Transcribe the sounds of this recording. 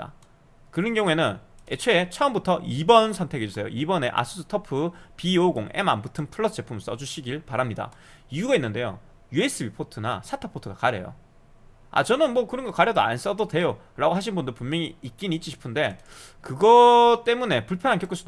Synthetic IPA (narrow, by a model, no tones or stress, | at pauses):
a̰ | kɯɾʌnɡjʌŋue̞nɯnet͡ɕʰeet͡ɕʰʌɯmbutʰʌʔibʌnsʰʌntʰe̞ɡe̞d͡ʑusʰe̞jo̰ʔibʌne̞ʔa̰s͈ʰɯsʰɯ̥tʰʌpʰɯpioɡoŋe̞̰ma̰mbutʰɯmpʰɯɭːʌsʰd͡ʑepʰumɭs͈ʌd͡ʑuɕʰiɡiɭpaɾamɲida̰ | iuɡainːɯnde̞jo̰ | jue̞s͈ɯbipʰotʰɯna̰sʰatʰʌpʰotʰɯɡakaɾjḛjo̰ | a̰t͡ɕʌnɯnmwʌkɯɾʌnɡʌkaɾjʌdoa̰ns͈ʌdode̞jo | ɾaɡoɦaɕ̬ʰinbundɯɭpumjʌŋiːk̚k͈iniːt͡ɕ͈iɕʰi̥pʰɯnde̞ | kɯɡʌt͈e̞mune̞puɭpʰjʌnɦankjʌk͈ɯsud